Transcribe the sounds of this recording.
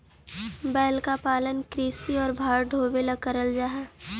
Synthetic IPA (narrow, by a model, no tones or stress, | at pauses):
bɛːlkapaːlənkɾiːsiɔːɾbʱaːɾɖʱoːbelɐkəɾəld͡ʒaːɦɛː